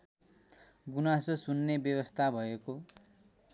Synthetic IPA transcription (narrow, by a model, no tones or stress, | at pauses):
ɡunasosunːebjʌbʌst̪ʰabʱʌeko